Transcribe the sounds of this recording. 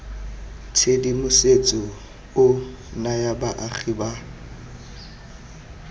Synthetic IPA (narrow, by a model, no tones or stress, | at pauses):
tʰedimʊset͡sʼɔ | ʊ | najabaʔaχʰiba